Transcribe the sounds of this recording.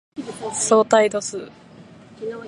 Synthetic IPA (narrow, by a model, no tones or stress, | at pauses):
so̞ːt̪aid̪osɨ